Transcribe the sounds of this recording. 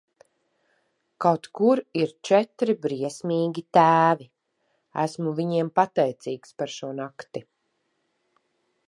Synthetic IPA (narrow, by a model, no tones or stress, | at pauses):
kawt̪kuɾiɾt͡ʃɛt̪ɾibɾiɛsmiːɡʲit̪æːvi | æ̰smuviɲiɛmpat̪ɛjt̪siːkspaɾʃuɔnakt̪i